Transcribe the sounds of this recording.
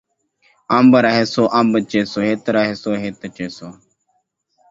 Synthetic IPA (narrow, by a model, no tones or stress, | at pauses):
ambəɾaɦeːsoːʔambət͡ʃeːsoːɦet̪ɐɾaɦesoːɦeːt̪ɐt͡ʃeːsoː